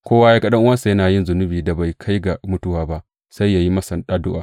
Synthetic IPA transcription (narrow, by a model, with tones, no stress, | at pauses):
kʷoː˦waː˦ja˦kɐ˦ɗɐ˦ŋʔʊ˦wɐ˦sa˨jɐ˦naː˨jɪ˦nzʊ˨nʊ˦biː˨da˨ba˨jkʰa˦jɡa˨mʊ˦tʊ˦waː˨ba˦ʔ | sa˦jːa˨ji˦mɐ˦sɐ˨nɗaː˦dʊ˦ʔaː˨